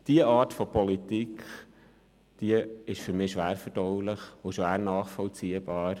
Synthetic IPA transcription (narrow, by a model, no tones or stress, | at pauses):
d̥iəʔɑːtfɔpɔlit̪ikχ | d̥iəɪʃfʏɾmɪːʃʋæːɾfəd̥ɔwləχʊʃʋæːɾnɑːχfɔlt͡siːəbɑːɾ